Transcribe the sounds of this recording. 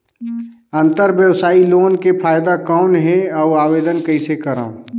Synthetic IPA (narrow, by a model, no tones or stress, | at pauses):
ɐ̃nt̪əɾʋjəʋsaːiloːnkepʰaːjd̪akɔːnɦɛ̃ɔːaːʋeːd̪ənkɐisekəɾa̰ːũ